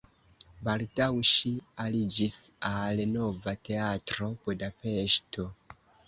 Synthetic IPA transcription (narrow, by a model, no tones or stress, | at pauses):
baltawʃialid͡ʒisalenovate̞atɾo̞podafeʃto